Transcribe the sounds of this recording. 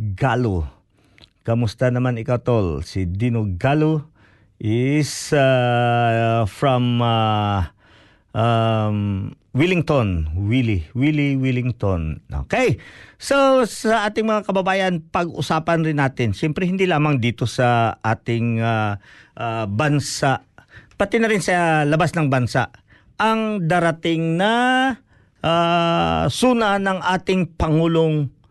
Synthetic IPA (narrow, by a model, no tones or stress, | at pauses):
ɡalo | kɐmʊst̪anɐmanɪkawt̪olsid̪inoɡalo | ʔɪsa | fɹɐma | ʔam | wilɪŋt̪onwiliwiliwilɪŋt̪onʔo̰kejsosɐʔaːt̪ɪŋmɐŋakɐbɐbaːjɐnpɐɡʔʊ̰saːpɐnɾɪnːaːt̪ɪnʃɛmpɾɛhɪnd̪ilaːmɐŋd̪iːt̪o̞sɐʔaːt̪ɪŋaʔabɐnsaʔpɐt̪ɪnɐɾɪnsɐlɐbasnɐŋbɐnsaʔ | ɐŋd̪aɾɐt̪ɪŋnɐ | ʔa | suːnɐnɐŋʔaːt̪ɪŋpɐŋuːloŋ